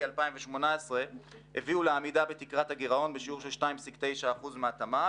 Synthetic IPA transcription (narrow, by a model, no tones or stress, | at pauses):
alpaimveʃmo̞naesʁe | heviuleamidabet̪ikʁathaɡeʁao̞nbeʃiuʁʃelʃtaimsikt̪e̞jʃaːχuzmeat̪ama